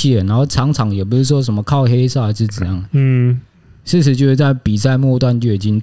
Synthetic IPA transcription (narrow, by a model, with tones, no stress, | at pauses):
i˥˩ə˩na˧˥nxo˥˩ʊʈ͡ʂʰɑ˧˥ŋʈ͡ʂʰɑ˨˥ŋjɛ˨˩p̬u˧˥ʂu˥˩ʂ̬wɔ˥ʂ̬ə˧˥nmə˧˦kʰɑ˥˨ʊxe˥ɪʂɑ˥˩ʊa˧˥ʂɻ̩˥˧˩ə˨˩jɑ˥˩ŋə˨˩ | ʂɻ̩˥˧ʂ̬ɻ̩˧t͡ɕjʊʂ̩˥˩t͡sa˥˩ɪpi˨˩sa˥˧ɪmwɔ˥˧t̪wa˥˧˨nt͡ɕjo˥˩ʊi˨˩t͡ɕi˦ŋ